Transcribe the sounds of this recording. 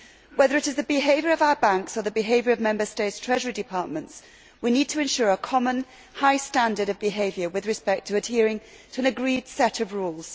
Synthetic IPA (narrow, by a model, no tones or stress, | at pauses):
wɛðəɹɨɾɨzðɨbɪɦeɪvjəɹʌvaʊəbãŋksə˞ðəbɪɦeɪvjəɹʌvmɛ̃mbə˞steɪtstʰɹ̥ɛʒəɹidɨpʰɑˑɹʔ̚mə̃nts | winid̚tʰəɨ̃nʃʊːɹəkʰɒmə̃n | haɪstãndəɾʌvbɪɦeɪvjə˞wɨðɹɨspɛk̚tʰəːd̥̚hɪəɹɪ̃ŋ | tʰəə̃nɨɡɹiːd̥sɛɾəvɹuːlˠz̥